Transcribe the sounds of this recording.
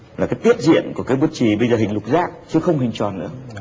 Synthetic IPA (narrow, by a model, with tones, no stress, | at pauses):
laː˨˩kaː˨˦jt̪i˦˥ət̚zḭ˧˨ənku˧˩əkaː˨˦jɓu˧˩ət̚t͡ɕi˧˨˩ɓə˧jzəː˨˩hï˨˩ŋ̟lʊ˨˩k͡p̚zaː˦˥k̚t͡ɕɨ˨˦əxə˧wŋ͡mhï˨˩ŋ̟t͡ɕwɔ˨˩nɨ̰˧˥ə